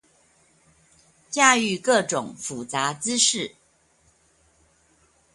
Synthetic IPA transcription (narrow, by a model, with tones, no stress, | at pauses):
t͡ɕja˥˧y˥˧kɤ˥˩ʈ͡ʂʊ˨˩˦ŋfu˨˩t͡sa˨˧˥t͡sɹ̩˦ʂɻ̩˥˩